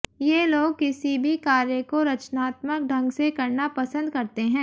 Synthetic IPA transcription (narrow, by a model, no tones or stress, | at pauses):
jeloːɡ̚kɪsibʱikaːɾjəkoɾɐt͡ʃnaːt̪mək̚ɖʱɐ̃ŋɡsekɐɾnapɐsə̃nd̪kɐɾt̪eɦɛ̃ː